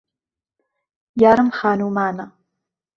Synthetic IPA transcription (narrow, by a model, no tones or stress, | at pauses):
jaːɾɨmχaːnuːmaːna